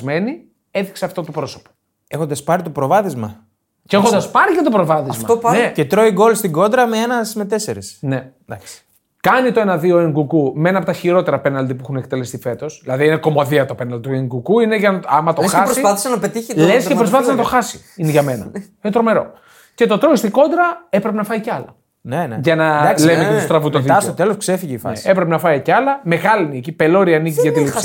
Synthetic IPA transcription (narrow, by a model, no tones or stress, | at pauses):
me̞ni | eðikseɐft̪ot̪opɾo̞so̥po̥ | exond̪ɐspɐɾit̪opɾo̞vɐθizmɐ̰ | ceexond̪ɐspɐɾiʝɐt̪o̞pɾovɐθiɐzmfɐopɐnecet̪ɾo̞iɡolst̪iɡo̞nd̪ɾɐmeenɐsme̞t̪e̞seɾisned̪ɐ̰ks | kɐnit̪o̞enɐðio̞eŋɡukumeenɐpot̪ɐçiɾo̞t̪e̞ɾɐpenɐld̪ipuexunekt̪elest̪ife̞t̪o̞sðilɐðiineko̞moðiɐt̪openɐld̪it̪ueŋɡukuineʝɐnɐɐmɐt̪oxɐsɾsiɐθi̥senɐpet̪içilesskepɾos̬pɐθisenɐt̪o̞xɐsi̥ | ineʝɐme̞nɐ̰inet̪ɾome̞ɾo̞̰ | ce̞t̪o̞t̪ɾoist̪iko̞nd̪ɾɐepɾepenɐfɐiceɐlɐ | nʝɐnɐɐlevicet̪ust̪ɾɐvut̪oðiseoot̪elosksefiʝeifɐ̰nesepɾepenɐfɐicɐlɐme̞ɣɐliniecipe̞lo̞ɾiɐnicizʝɐt̪ilif